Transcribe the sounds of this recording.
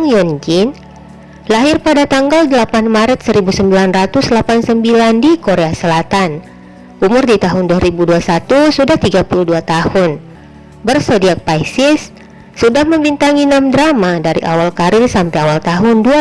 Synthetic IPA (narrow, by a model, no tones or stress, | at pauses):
ŋjɔnd͡ʒin | laɦɪrpadat̪aŋɡaldəlapanmaɾət̪̚səɾibusəmbilanrat̪ʊslapansəmbilandikoɾeasəlat̪an | ʔumʊrdit̪aɦʊnduaɾibuduasat̪usudaht̪iɡapuluhduat̪ahʊn | bərsodiak̚pajsɪsː | udahməmbint̪aŋinamdɾamadaɾḭʔawalkaɾɪrsampajawalt̪aɦʊndua